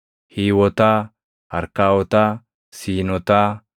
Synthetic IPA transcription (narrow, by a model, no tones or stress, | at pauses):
hiːwɔt̪ɐ | hɐɾkaːwɔt̪ɐ | siːnɔt̪ɐ